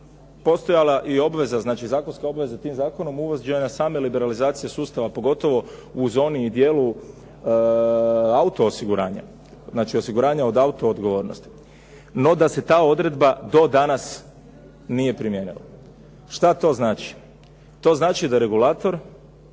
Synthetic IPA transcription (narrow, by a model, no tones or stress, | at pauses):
po̞st̪o̞jalaʔio̞bʋe̞zaznaːt͡ʃizaːko̞nskao̞bʋe̞zat̪iːmzaːko̞no̞muʋozd͡ʒenasaːme̞libe̞ɾalizaːt̪sijesuːst̪aʋapo̞ɡo̞t̪o̞ʋo̞ | uzo̞ːniːd̪jeːlu | aut̪o̞ːsiɡuɾa̰ːɲa̰ | znaːt͡ʃiosiɡuɾaːɲao̞d̪aut̪o̞ːd̪ɡo̞ʋo̞ːɾnost̪i̥ | no̞d̪ase̞t̪aːo̞d̪ɾe̞d̪bad̪o̞d̪anas | nije̞pɾimjenḭla̰ | ʃt̪at̪o̞ːznaːt͡ʃi̥ | t̪o̞ːznaːt͡ʃid̪aɾe̞ɡulaːt̪o̞ɾ